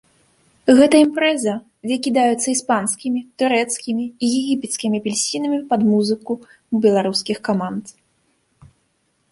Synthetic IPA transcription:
ɣɛt̪ɐimpɾɛzɐ | vʲɛkʲid̪ajɛt̪sːɐispanskʲimʲit̪uɾɛt̪skʲimʲiːjɛɣʲipʲɛt̪skʲimʲipʲɛlʲsʲinɐmʲipɐd̪muzɨku | bʲɛlˠaɾuskʲixkamant̪

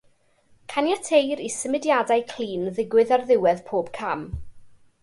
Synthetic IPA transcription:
kʰanjatʰejɾisəmɪdjadajkʰl̥ˠiːnðɪɡwɨðarðɪwɛðpʰoːb̥kʰam

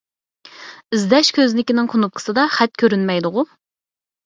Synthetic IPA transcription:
ɪzd̪ɛʃkʲʰøznɪkʲinɪŋqʰonup̚qʰə̥sɨd̪ɑχɛt̪̚kʲʰøɾynmɛjd̪ʊʁʊ

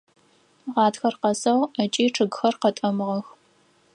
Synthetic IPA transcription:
ʁɑːtxɐrqɐsɐwɐt͡ʃʼiːʈ͡ʂʰɨɡxɐrqɐtʼɐmɨʁɐx

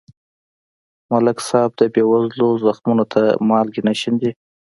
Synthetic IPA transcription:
malɪksɑb̚d̪əbewazlozaxmunot̪ʰamɑlɡinaʃind̪i

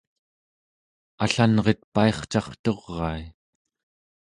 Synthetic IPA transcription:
aɬanʁet̪̚paeχt͡ʃɑχt̪oʁːɑi

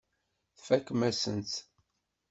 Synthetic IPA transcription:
θfækːmæsənt̪

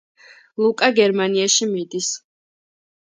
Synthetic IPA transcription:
lˠukʼaɡɛɾmaniaʃimid̪is

